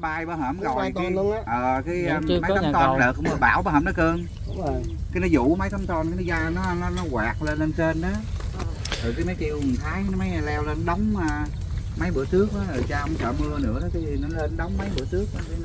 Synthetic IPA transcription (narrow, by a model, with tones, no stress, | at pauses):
ɓaː˧jɓaː˧˩ɦəː˧˩mɣɔ˨˩jkaː˨˧˦ʔəː˨˩kaː˨˦jma˨˦t̪ːt̪ɔ˧nɗəː˨˩kʔmɨ˨˧˩ɓa̰ː˧˩wɓaː˧˦ɦəː˧˩nɔ˨˦kɨ˧əŋ˨ | ki˨˦nɔ˨˦zṵ˧˩˨mə˨˦jt̪ə˨˦˥mt̪ɔ˧nka˨˦nɔ˨˦zaː˧nɔ˨˦˧n˨˦nɔ˨˦ɣwaː˨˩k̚le˧nle˧nse˧nʔaː˨˦ | t̪ɨː˨˩kaː˨˦jma˨˦jt͡ɕi˧əwt̪ʰaː˨˦jma˨˦ja˨˧˩lɛ˧wle˧nɗə˨˦wŋ͡maː˧˩ | mə˨˦jɓɨ̰˧˩ət̪ɨ˦˥ək̚ʔaː˨˦əː˨˩t͡ɕaː˧ŋ͡mt͡ɕəː˧˩mɨ˧ənɨ̰˧˥əɗt̪ʰi˨˩nɔ˨˦le˧nɗə˨˦wŋ͡mmə˨˦jɓɨ̰˧˥ətɨ˦˥ək̚a˧